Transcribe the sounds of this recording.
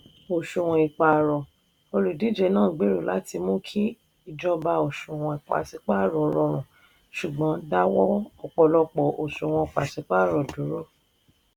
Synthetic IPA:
o˨ʃũ˨w̃ɔ̃˧i˨k͡pa˨ɾɔ˨ | o˧lu˨di˨˦d͡ʒɛ˧nãː˦˨ɡ͡be˨˦ɾo˨la̰˨˦ti˧mõ˦kʰi˦ | i˦˨d͡ʒɔ˧ba˧o˨ʃũ˨w̃ɔ̃˧i˨k͡pa̰˨si˧˦k͡pa˦˨ɾɔ˨˧ɾɔ˧ɾ̃ũ˨ | ʃu˨ɡ͡bɔ̃˨˦da˦wɔ˦ɔ˦˨k͡pɔ˧lɔ˧k͡pɔ˨ʔo˨ʃũ˨w̃ɔ̃˧˨k͡pa˨si˨˦k͡pa˦˨ɾɔ˨du˨˦ɾo˦

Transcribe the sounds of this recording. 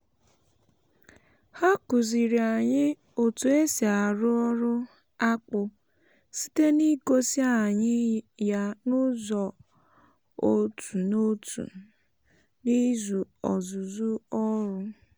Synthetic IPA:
ha˦ku˨zi˨ɾi˨a˨ɲɪ˦ | o˨tu˨e˦si˨a˨ɾʊ˦ɔ˦ɾʊ˦ | a˦k͡pʊ˨ | si̥˦te˦ni˦ko˦si˦a˦˨ɲɪ˦ja˦nʊ˦zɔ˨ | o˦tu˨no˦tṵ˨ | ni˦zu˨ɔ̰˨zu˨zu˦ɔ˦ɾʊ˦

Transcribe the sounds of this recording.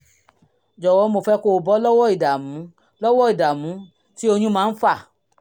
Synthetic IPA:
d͡ʒɔ˨wɔ˨˧˦mo˨fɛ˦ko˧o˨bɔ˦lɔ˦wɔ˦˨i˨da˨mũ˨˦ | lɔ˦wɔ˦i˨da˨mũ˨˦ | ti˦o˧ɲũ˦mãː˨˦fa˦˨

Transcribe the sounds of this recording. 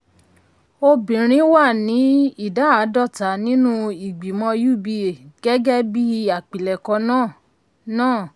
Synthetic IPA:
o˧bĩ˨ɾ̃ĩ˦wa˦˨nĩ˨˦i˦˨da˨˦a˨˦dɔ˦˨ta˨˦nĩ˦nũ˦i˨ɡ͡bi˨mɔ̃˧ju˦˨bi˧˦˨ɡ̥ɛ˦ɡɛ˦bi˦˧˦a˨k͡pĩ˨lɛ˨kɔ̃˧nãː˦˨ | nãː˦˨

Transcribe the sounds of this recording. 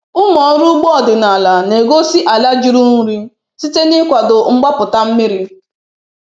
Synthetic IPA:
ʊ˦mɔ˨˦ɾu˦ɡ͡bɔ˦ɔ˨dɪ˨na˨la˨ne˨ɡo˦si˦ʔa˨la˦d͡ʒi˦ɾu˦n̩˦ɾi˦ | si˦te˦nɪ˦kʷa˨dʊ˨ŋ͡m̩˦ɡ͡ba˦pʊ˨ta˦m̩˦mɪ˦ɾi˦

